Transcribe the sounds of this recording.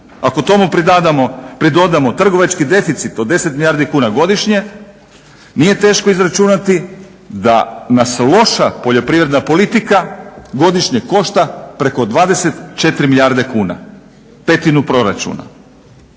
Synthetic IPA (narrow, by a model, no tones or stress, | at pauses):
ako̞t̪o̞mupd̪ad̪amopɾid̪o̞d̪amo̞t̪r̩ɡo̞ʋat͡ʃkid̪e̞fit̪sit̪od̪e̞set̪milʎʲaːɾd̪ikuːnaɡo̞d̪iʃɲe̞ | nije̞t̪e̞ːʃko̞izɾat͡ʃunat̪i | d̪a̰naslˠo̞ʃapoʎo̞pɾiʋɾe̞d̪napo̞lit̪ikaɡo̞d̪iʃɲeko̞ʃt̪apɾe̞ko̞d̪ʋaːd̪e̞se̞t̪t͡ʃe̞t̪ɾimiʎaɾd̪e̞kuːna̰ | pe̞t̪inupɾo̞ɾa̰t͡ʃṵna̰